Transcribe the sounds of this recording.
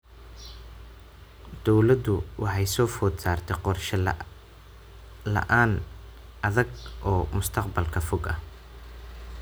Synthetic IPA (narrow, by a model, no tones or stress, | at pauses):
d̪̥ɔwlɐd̪ʊwʔɑħɑjsɔːfɔd̪saːrt̪ʰɛqɔrʃɐ | lɐ̰ʔaːn | ʔɐðɐɡʔɔːmʊst̪ʰɐqbɐlkʰɐfɔɡɐ